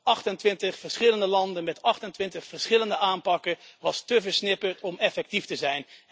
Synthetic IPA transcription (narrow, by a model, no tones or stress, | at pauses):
ɑχtəntʋɪntəχfəɹsχɪləndəlɑndənmɛtɑχtəntʋɪntəχfəɹsχɪləndəʔaːmpɑkəʋɑstəvəɹsnɪpərɔmɛfɛk̚tiftəzɛjn